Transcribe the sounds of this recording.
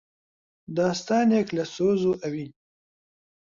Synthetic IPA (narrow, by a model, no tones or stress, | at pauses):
d̪ɑːst̪ɑːneklɐsoːzoʔɐwin